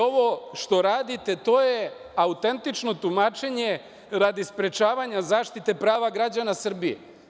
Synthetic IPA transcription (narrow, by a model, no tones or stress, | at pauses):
o̞ʋo̞ʃt̪o̞ɾaːd̪it̪e̞t̪o̞ːje | aut̪e̞nt̪it͡ʃno̞t̪umaːt͡ʃe̞ɲe̞ | ɾad̪ispɾe̞t͡ʃaːʋaɲazaːʃt̪it̪e̞pɾaːʋaɡɾad͡ʑanasr̩bijḛ